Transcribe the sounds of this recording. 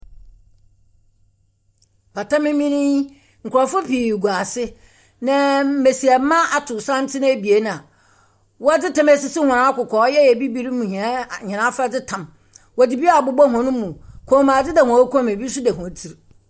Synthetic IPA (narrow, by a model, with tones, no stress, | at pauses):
pa˨tʰã˦mɪ̃˦mĩ˦nĩ˦ | ŋ̩˨kʰʊ˨ɾɔ˨fʊ˦pʰi˨ɡu˨a˨sɪ˦ | nã˨m̩˦e˨si˨æ˨˦mã˦a˨tʰʊ˨sã˦n˦tʰɪ˦ñ˦˨bi˨e˦n˨a˨ | wɔ˦dɪ˦tʰã˨mɛ˨sɪ˨si˦hʊ̃˨ɾã˨˦a˦kʊ˨kʰɔː˨˦jɛ˦jɛ˨bi˦bi˦ɾi˦mũ˨hĩ˨a˦˨ɲɛ̃˨nã˦fa˦d͡zɪ˦tʰã˨m | wɔ˨di˨bi˦a˨bʊ˨˦bɔ˦ɦɔ̃˨nʊ̃˦mũ˨kʰɔ̃˨˦mã˨d͡zɪ˦dɛ˨hɔ̃˨˦kʰʷmẽ˨bi˦sʊ˦dɛ˨hɔ̃˨˦tʰi˨ɾ